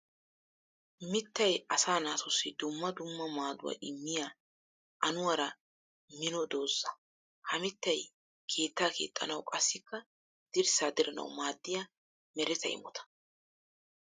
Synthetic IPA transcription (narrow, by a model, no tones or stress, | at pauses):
mɪt̪ːɐjʔɐsaːnaːsɔsːɪd̪ʊmːɐd̪ʊmːɐmaːd̪ʊwɐ̰ʔɪmːɪjaː | ʔɐnʊwɐɾɐ | mɪnɔd̪o̞ːzːɐ | hɐmɪt̪ːɐj | kʰe̞ːt̪ːaːkḛːt̪ʼːɐ̰nɐwkʼɐsːɪkːɐ | d̪̥ɪɾsaːd̪ɪɾɐnɐ̰wmaːd̪ːɪja | mɛɾɛt̪ɐ̰ʔɪ̰mɔt̪ɐ̥